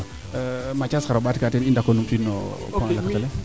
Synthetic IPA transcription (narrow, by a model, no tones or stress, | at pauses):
mat͡ʃaskaɾobatikatɛnindakːonumfinɔ̰ | paŋlakatalɛ